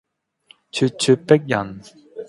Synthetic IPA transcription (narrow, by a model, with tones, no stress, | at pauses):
t͡ʃʰy˧t̚t͡sʰy˧t̚pe˥k̚jɐ˨˩n